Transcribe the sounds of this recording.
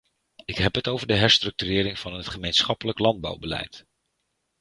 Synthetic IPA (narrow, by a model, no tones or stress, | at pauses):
ɪkɦɛpɦətowvəɹdəɦɛɹstrɵk̚tyrɪːɾɪŋvɑnətχəmejnsχɑpələklɑnd̚bɑ̰wbəlɛ̰jt